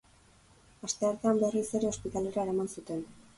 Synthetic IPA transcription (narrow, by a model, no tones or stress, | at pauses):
ast̪eaɾt̪eambe̞rise̞ɾe̞o̞spit̪ale̞ɾaeɾamansut̪e̞n